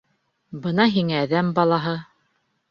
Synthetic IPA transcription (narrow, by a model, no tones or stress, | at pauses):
bɤnɑɦiŋæːðæmbɑlˠɑɦɤ